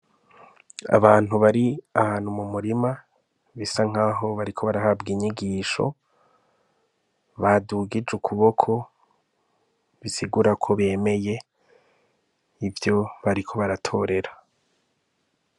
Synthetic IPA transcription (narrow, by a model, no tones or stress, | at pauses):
a̰βaːn̥uβaɾiahaːn̥humumuɾima | βisaŋ̥aːɦo̞βaɾikʰo̞βaɾaɦabɡiɲiɡiːʃo̞̰ | βaduɡid͡ʒukʰuβo̞kʰo̞ | βisiɡuɾakʰo̞βe̞ːme̞je̞ | ivjo̞βaɾikʰo̞βaɾatʰo̞ːɾe̞ɾa